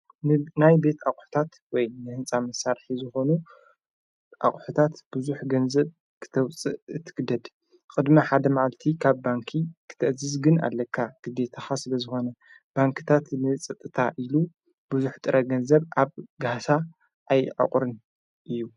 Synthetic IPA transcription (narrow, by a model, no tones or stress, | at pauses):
nɨnajbe̞t̪ʰaχʼħu̥t̪ʰat̪ | wɔjnɨhɨnt͡sʼamɐsaɾħizɨxo̞nu | ʔa̰χʼħut̪ʰat̪b̥ɨzuħɡɐnzɐβ | kʰɨ̥t̪ʰɐwt͡sʼɨʔɨt̪ʰːɨ̥ɡɨd̪ɐd̪ | kʼɨd̪mɐħad̪ɐmaʕalt̪ʰikʰaβːaŋkʰikʰɨ̥t̪ʰɐʔzɨzɡɨna̰lːɐkʰːaɡ̥ɨd̪e̞t̪ʰaxasɨlɐzɨxo̞nɐ | b̥aŋkʰɨ̥t̪ʰat̪nɨt͡sʼɐt̪ʼːɨt̪ʰaʔilu | b̥ɨzuħt̪ʼɨɾʔɐɡɐnzɐβʔaβɡasa | ʔajʕa̰qʼɾɨn | ʔɨjːu